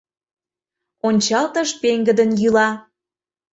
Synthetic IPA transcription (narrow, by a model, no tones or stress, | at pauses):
onʲt͡ɕɑlt̪ə̆ʃpeŋɡə̆d̪ə̆njylɑ